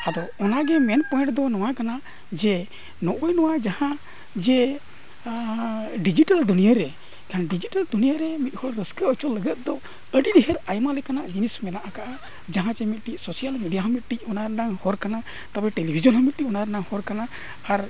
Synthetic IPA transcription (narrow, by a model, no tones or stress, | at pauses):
ad̪ɔɔnaɡɛmɛnpɔj̃ʈd̪ɔnɔwakana | d͡ʒɛ | nɔʔɔjnɔwad͡ʒahã | d͡ʒɛ | ɖid͡ʒiʈald̪unijəɾɛ | kʰanɖid͡ʒiʈald̪unijaɾɛmit̪̚hɔɾːəskəʔɔt͡ʃɔlːəɡət̪̚d̪ɔ | əɖiɖiɦɛɾajmalɛkanaʔd͡ʒinismɛnaʔakaʔa | d͡ʒaɦãt͡ʃɛmit̪̚ʈic̚sɔsijalmiɖijaɦəmit̪̚ʈic̚ˀɔnaɾnaŋhɔɾkana | t̪abɛʈelibʱid͡ʒɔnɦəmit̪̚ʈiˀɔnaɾnaŋhɔɾkanaː | ɾ